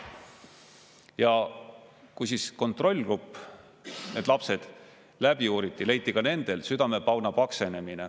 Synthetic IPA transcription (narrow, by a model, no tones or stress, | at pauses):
jɑ | kujsisko̞nt̪ːˑro̞lʲːɡ̥rupːˑ | ne̞ːd̪lɑpse̞d̪̥ | læb̥iuːɾit̪ːˑile̞jt̪ːˑikɑne̞nd̪̥e̞lsyd̪ɑme̞pɑwnɑpɑkse̞ne̞mine